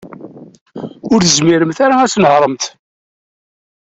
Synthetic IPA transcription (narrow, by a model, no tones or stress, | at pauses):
ʊɾθəzmiɾəmθaɾaæsnəhɾˤəmt̪